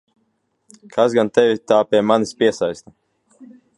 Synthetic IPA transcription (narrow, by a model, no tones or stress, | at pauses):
kʰazɡant̪ɛvʲit̪aːpʲiɛmanispʲiɛsajst̪a